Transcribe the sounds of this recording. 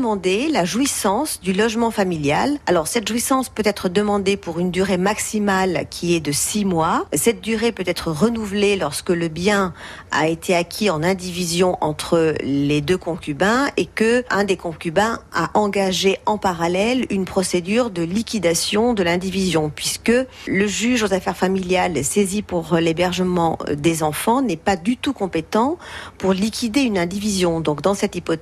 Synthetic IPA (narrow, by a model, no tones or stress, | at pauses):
əmɑ̃d̪elaʒwisɑ̃sd̪ylɔʒmɑ̃familjalalɔʁsɛt̪ʒwisɑ̃spøt̪ɛt̪χəd̪əmɑ̃d̪epuʁynd̪yʁemaksimalkʲʰiɛd̪əsimwasɛt̪̚d̪yʁepøt̪ɛt̪χəʁənuvlelɔʁskələbjɛ̃ | a̰et̪ʰeakʲʰiɑ̃nɛ̃d̪ivizjɔ̃ʔɑ̃t̪χəled̪økɔ̃kʲybɛ̃ekəʔɛ̃d̪ekɔ̃kʲybɛ̃aʔɑ̃ɡaʒeɑ̃paʁalɛlynpχɔsed̪yʁd̪əlikʲid̪asjɔ̃d̪əlɛ̃d̪ivizjɔ̃pɥiskə | ləʒyʒozafɛʁfamiljalsezipuʁlebɛʁʒəmɑ̰̃d̪ezɑ̃fɑ̃nɛpad̪yt̪ukɔ̃pet̪ɑ̃puʁlikʲʰid̪eynɛ̃d̪ivizjɔ̃d̪ɔ̃kd̪ɑ̃sɛt̪ipɔ